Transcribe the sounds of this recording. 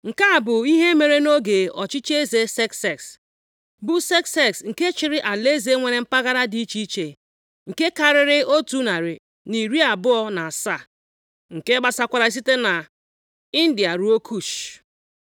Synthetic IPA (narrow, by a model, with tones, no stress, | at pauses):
ŋ̩˨ka˦a˨bʊ˨i˦ɦe˦me˨ɾe˦no˦ɡe˨ɔ˨t͡ʃɪ˦t͡ʃe˦ze˨se˦kse˨ks | bʊ˦se˦kse˦ksŋ̩˨ke˦t͡ʃɪ˨ɾɪ˦ʔa˨le˦ze˦ŋʷe˨ɾe˦m̩˦pa˦ɣa˦ɾa˦di˦i˦t͡ʃi˦i˦t͡ʃe˨ | ŋ̩˨ke˦ka˨ɾɪ˨ɾɪ˦o˦tu˦na˨ɾɪ˨ | ni˨ɾi˦a˨bʊ˦ɔ˦na˨a˨sa˦˨ | ŋ̩˨ke˦ɡ͡ba˦sa˦kʷa˨ɾa˨i˦s̬i˦te˦na˨ | i˦n̩˦di˨a˨ɾu˨˦o˦kʰu˦˨ʃ